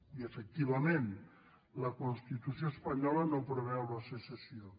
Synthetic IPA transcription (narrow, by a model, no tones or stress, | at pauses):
iefək̚t̪iβamẽn | ləkonst̪it̪usjoespaɲɔlənopɾoβɛalasesesio